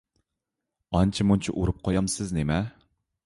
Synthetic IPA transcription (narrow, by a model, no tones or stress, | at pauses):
ɑnt͡ʃʰimunt͡ʃʰḭʔuɾɨp̚qʰojɑmsɪznemɛ